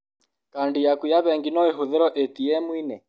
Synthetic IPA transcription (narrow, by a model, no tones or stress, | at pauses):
kandijakwijaβɛŋɡinɔeɦoðɛɾɔʔetiɛmwinɛ